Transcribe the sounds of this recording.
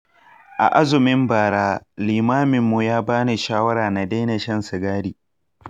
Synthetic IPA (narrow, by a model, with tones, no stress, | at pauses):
ʔa̰˨ʔa˦zʊ˨mɪ˦mbaː˨ɽaː˦liː˨maː˦mɪ˨mːu˨jaː˦baː˦ne˨ʃaː˦wɐ˦ɾaː˨na˨da˦jna˨ʃɐ˦nsɪ˨ɡaː˦ɽiː˨